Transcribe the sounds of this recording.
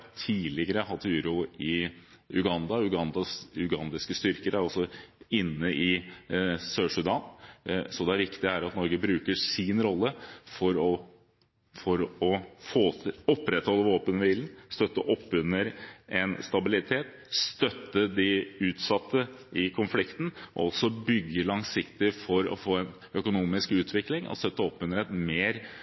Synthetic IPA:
t̪ʰiːlɪɡəɾəhɑt̪ːʉːɾʊɪ | ʉɡɑnd̪ɑʉɡɑnd̪ɑsʉɡɑnd̪ɪskəst̪ʏɾkəɾæɾɔsɔɪnːəʔɪ | søːʂʉd̪ɑnsɔd̪ɛæɾʋɪkt̪ɪæɾɑt̪nɔɾɡəbɾʉːkəʂɪnɾɔlːəfɔɾɔ | fɔɾɔfoːɔpːɾɛt̪hɔlːəʋoːpənəʋiːlnst̪œt̪ːəʔɔpːʉnːəɾʔɛnst̪ɑbɪlɪt̪ʰeːt̪ | st̪œt̪ːəd̪ɪʉːt̪sɑt̪ʰːəʔɪkʰʊnflɪkt̪n̩ɔ̰ɔlsɔbʏɡːəlɑŋsɪkt̪ɪfɔɾɔ̰foːɛn | œkʊnuːmɪskʉːt̪ʰʋɪklɪŋʔɔ̰st̪œt̪ːəɔpːʉnəɾɛt̪meːɾ

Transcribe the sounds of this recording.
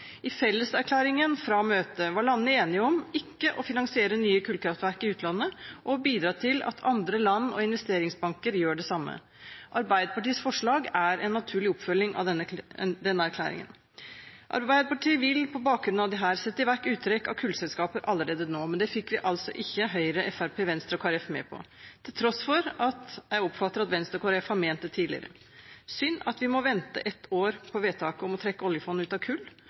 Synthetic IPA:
ʔɪfɛlːəsæɾkʰlæːɾɪŋənfɾɑmøːt̪əʋɑɭɑnːəeːnɪəɔmɪkːəʔɔfɪnɑŋsɪeːɾənyːəkʰʉlkʰɾɑft̪ʋæɾkɪʉːt̪lɑnːəʔɔbiːd̪ɾɑːt̪ʰɪlɑ̰t̪ʰɑnd̪ɾəlɑnːɔ̰ɪnʋɛst̪eːɾɪŋsbɑŋkəɾjøːɖɛsɑmːə̰ | ʔɑɾbæɪd̪əpɑʈiːəsfɔʂɭɑːɡæɾɛnːɑt̪ʰʉːɭɪɔpfœlːɪŋɑ̰ | d̪ɛnːəæɾkʰlæ̰ːɾɪ̰ŋə̰n | ʔɑ̰ɾbæɪd̪əpɑʈʰiːəʋɪlpʰɔbɑːk̚ɡɾʉnɑʋd̪ɛɦæːɾsɛt̪ːəɪʋæʈːʉːt̪ʰːɾɛkːɑ̰ʋkʰʉːlsɛlskɑːpəɾʔɑlːəɾeːd̪ənoːmɛnd̪ɛfɪkːʋɪʔɑlsɔʔɪçːəɦœʏɾəʔɛfæɾpʰeːʋɛnst̪ɾəkʰɑɾɛfmɛ̰ːpʰɔ̰t̪ʰɪlt̪ʰɾɔsfɔɾɑt̪jæɪɔpːfɑt̪ːəɾɑt̪ʋɛnst̪ɾəkʰɑɾɛfhɑmeːnt̪ːət̪ʰiːlɪ̰ɾə̰ | sʏnɑt̪ʋɪmɔʋɛnt̪əʔɛt̪oːɾpʰɔʋeːt̪ʰɑːkəɔmɔt̪ʰɾɛkːəɔljəfɔn̩ʉːt̪ɑʋkʰʉːlː

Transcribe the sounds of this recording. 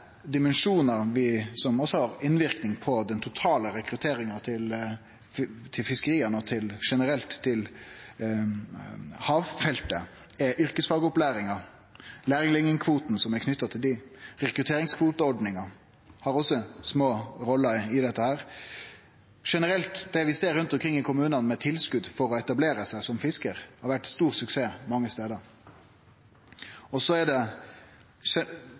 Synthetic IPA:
d̪ɪmənʂuːnɑʋɪsɔmɔsːɔhɑɾɪnʋɪɾknɪŋpʰɔd̪ɛnt̪ʰʊt̪ʰɑːləɾɛkɾʉt̪ʰeːɾɪŋɑt̪ʰɪl | t̪ʰɪlfɪskəɾiːənət̪ʰɪlʂɛnəɾɛlt̪ʰːɪl | hɑːʋfɛlt̪ə̰ | ɛʔʏɾkəsfɑːɡəʊplæːɾɪŋɑ | læːɾɪŋlɪŋɪŋkʰʋuːt̪n̩sɔmækʰnʏt̪ːɑt̪ʰɪld̪ɪɾɛkɾʉt̪ʰeːɾɪŋskʰʋuːt̪əɔɖnɪŋɑ | hɑɾɔsːɔsmoːɾɔlːəɾɪd̪ɛt̪ːəhæːɾ | ʂɛnəɾɛlt̪d̪ɛʋɪseːɾʉnt̪ɔmkʰɾɪŋːɪkʰʊmʉːnɑnmɛt̪ʰɪlskʉd̪fɔɾɔɛt̪ɑbleːɾəsæɪsɔmfɪskəɾhɑɾʋæʈːst̪uːʁsʉkseːmɑŋːəst̪eːd̪əɾ | ɔsɔæɖɛ | ɛ

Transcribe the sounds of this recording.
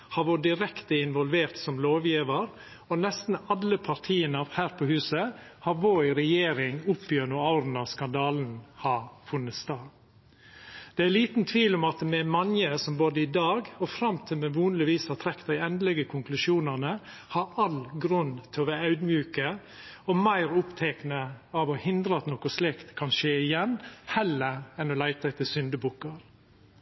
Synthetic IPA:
hɑʋɔd̪ɪɾɛkt̪əɪnʋɔlʋeːɾt̪sɔmloːʋjiːʋəɾ | ɔnɛst̪n̩ɑlːəpʰɑɾt̪ʰiːənəhæːɾpʰɔhʉːsəhɑɾʋoːɪɾɛjeːɾɪŋʊpːjønʉɑʊɾn̩ɑʋskɑnd̪ɑːln̩hɑɾfʉnːət̪st̪ɑː | d̪̥ɛæliːt̪n̩t̪ʰʋiːlɔmɑt̪mɛmɑnjəsɔmboːd̪əɪd̪ɑːɡɔfɾɑmt̪ʰɪlmɛʋuːnəlɪʋiːsɑt̪ʰɾɛkt̪æɪɛnd̪əlɛɡəkʰʊŋklʉʃuːnənə | hɑɾɑlɡɾʉnt̪ʰɪlɔʋæɑʉd̪mjʉːkə | ɔmæɪɾʊpt̪ʰɛknəɑʋɔhɪnd̪ɾəɑt̪nɔkʊslɪkt̪kʰɑnʃeːɪjɛnhɛlːəɾɛnɔlæɪt̪ɑɛɪt̪ʰɪsʏnd̪əbuːkəɾ

